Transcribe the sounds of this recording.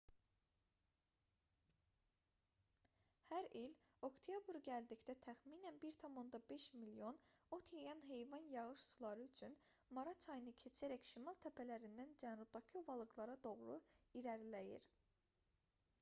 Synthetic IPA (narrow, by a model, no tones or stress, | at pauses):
hæɾilo̞kt̪ʰijɑbɾɟæld̪icd̪æt̪ʰæχmiːnænbiɾt̪ʰɑmo̞nd̪ɑbe̞ʃmilio̞no̞t̪ʰjɑjɑnɦe̞jvɑnjɑɣɯʃsulˠɑɾɯyt͡ʃʰynmɑɾɑt͡ʃʰɑjɯnɯcʰe̞t͡ʃʰæɾæçʃimɑlˠt̪ʰæpʰælæɾind̪ænd͡ʒænɾub̚d̪ɑcʰiovɑlˠɯɡlˠɑɾɑd̪o̞ʁɾuiɾæɾlæjḭɾ